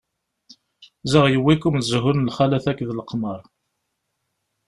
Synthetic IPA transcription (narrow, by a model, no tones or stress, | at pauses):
zəʁjəwːikumzɦʊnlχælæθækːðləqməɾˤ